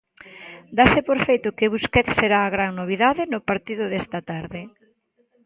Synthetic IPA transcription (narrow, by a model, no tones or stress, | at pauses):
d̪asɪpoɾfejt̪ʊkeβuskɛt̪seɾaːɣɾaŋnoβ̞iðaðɪnʊpaɾt̪iðʊðest̪ɐt̪aɾðɪ